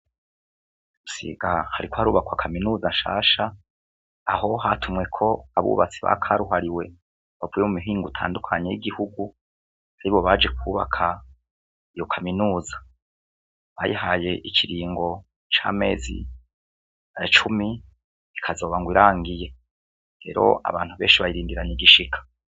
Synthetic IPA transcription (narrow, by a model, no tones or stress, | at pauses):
usḭːɡahaɾikohaɾuːβakwakʰaminuːzaʃa̰ːʃaː | ɦo̞ɦatʰumŋe̞kʰo̞aβṵːβat͡siβa̰kʰaːɾuɦaɾiwe̞ | βavuːjemumiɦiːŋɡutʰa̰ːndukʰaɲe̞jiɡihuɡu | haɾiβo̞βad͡ʒe̞k̚ʰuːβa̰kʰa | ijo̞kʰaminuːza | βajihaje̞ʔicʰiɾiːŋɡo̞ | t͡ʃa̰ːme̞̰ːzḭ | at͡ʃumi | ikʰazo̞ːβaŋɡwiɾaːŋɡije̞ | ɾe̞̰ːɾo̞̰ʔa̰βaːn̥huβe̞ːʃiβajiɾiːndiɾaɲiɡiʃikʰḁ